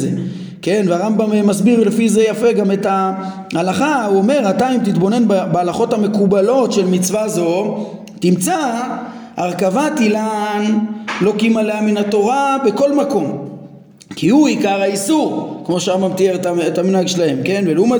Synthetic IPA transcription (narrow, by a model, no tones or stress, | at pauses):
ze | ke̞nveaʁambammasbiʁlefize̞jafe̞ɡame̞ta | halaχauome̞ʁataimt̪it̪bo̞ne̞nbabealaχo̞t̪hame̞kubalo̞tʃe̞lmit͡svazo̞ | t̪imt͡sa | aʁkavat̪ilanlo̞kimaleaminato̞ʁabe̞ko̞lmako̞m | kiuikaʁaisuʁkmo̞ʃeaʁambamt̪ieʁetaetaminaɡʃelahe̞mke̞nveluma